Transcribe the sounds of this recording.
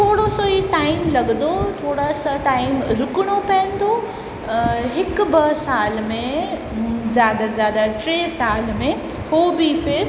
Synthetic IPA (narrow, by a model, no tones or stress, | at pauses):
ʈ̪ʰoːɽosoiʈaːɪmlɐɠnd̪ot̪ʰoːɽasaʈaːɪmɾʊkɪɽ̃opɐə̃n̆d̪ʰo | ɦɪk̆bɐsaːlmẽ | zjaːd̪azaːd̪aʈɾeːsaːlmẽ | hoːbʱifɪɾ